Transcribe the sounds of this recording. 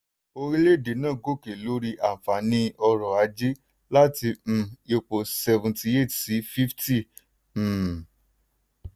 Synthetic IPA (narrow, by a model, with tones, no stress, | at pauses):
o˧ɾi˦le˦˨de˨˦nãː˦˨ɡo˦˨ke˨lo˨˦ɾi˦ʔa˨fa˨nĩ˧˦ɔ˧ɾɔ˨a˨˦d͡ʒi˦ | la˦tĩ˧e˧k͡po˨sɛ˧vũ˨ti˧e˦˨tsi˨˦fi˦fti˦˨